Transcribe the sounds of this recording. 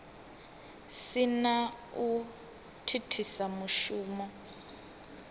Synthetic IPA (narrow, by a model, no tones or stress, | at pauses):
sina | u | tʰitʰisamuʃuːmɔ